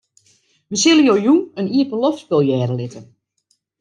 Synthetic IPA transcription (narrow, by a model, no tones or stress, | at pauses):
ʋəsɪlˠəjojuəniəpənlɔftbɪlˠjɛːɾəlɪtən